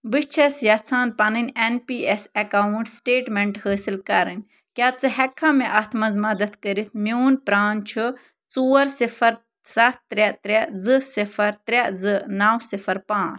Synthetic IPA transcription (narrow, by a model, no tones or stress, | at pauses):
bɨt͡ʃʰɐsjɐt͡sʰaːnpɐnɨnʲenpiːɛsɐkaːuɳʈsʈeːʈmeɳʈhəːsilkɐɾɨnʲ | kʲjaːt͡sɨɦɛkʰːãːmɛʔɐt̪ʰmɐzmɐd̪ɐt̪ʰkəɾit̪ʰmjoːnpɾaːnt͡ʃʰɨ | t͡suːɐɾsifɐɾ | sɐtt̪ɾɛt̪ɾɛzɨsifɐɾt̪ɾʲɛzɨnaːwsifɐɾpãːt͡sʰ